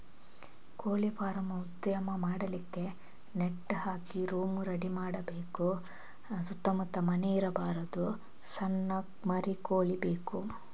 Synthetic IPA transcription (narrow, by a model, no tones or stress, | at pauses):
koːɭipaːɾɐmɐud̪jɐmɐmaːɽɐlikːe̞ | neʈːhaːkiɾoːmuɾɐɽimaːɽɐbeːku | sut̪ːɐmut̪ːɐmɐneiɾɐbaːɾɐd̪u | sɐnːɐ | mɐɾikoːɭibeːku